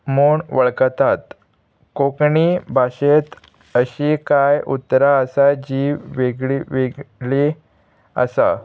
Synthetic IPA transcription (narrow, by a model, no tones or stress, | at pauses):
moɳʋəɭkt̪at̪ | kokɳibʱaɕet̪ | əɕikajṵt̪ːɾaəsad͡ʑiʋeɡɭiʋeɡɭi | ə̰sa̰